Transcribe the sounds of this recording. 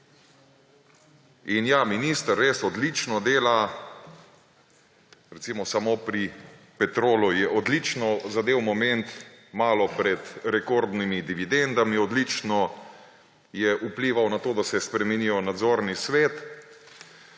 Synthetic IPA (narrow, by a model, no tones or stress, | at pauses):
injaminist̪əɾːesɔd̪lit͡ʃnɔd̪eːla | ɾɛsimɔsamopɾi | pɛt̪ɾoːlujɛʔɔd̪lit͡ʃnɔzad̪eːwmɔmɛnt̪maːlɔpɾɛt̪ɾɛkoɾd̪nimid̪iʋid̪ɛnd̪amiɔd̪lit͡ʃnɔ | jɛʔupliːʋawnat̪oːd̪asɛspɾɛmɛnijɔnad̪zoːɾnisʋeːt̪